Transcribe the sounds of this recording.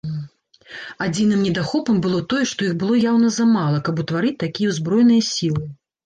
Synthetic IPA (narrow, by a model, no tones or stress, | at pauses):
ad͡zʲinɨmnʲɛd̪axɔpɐmbɨlˠɔt̪ɔjɛʂt̪ɔjiɣbɨlˠɔjawnɐzɐmalˠɐkɐput̪vaɾɨt͡sʲt̪akʲijɐuzbɾɔjnɨjɐsʲilˠɨ